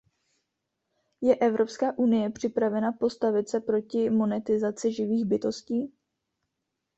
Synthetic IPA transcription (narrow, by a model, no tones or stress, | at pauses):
jɛʔɛvɾo̞pskaːʔunɪjɛpr̝̥ɪpɾavɛnapo̞st̪avɪt̪sɛpɾo̞cɪmo̞nɛt̪ɪzat͡sɪʒɪviːɣbɪt̪o̞sciː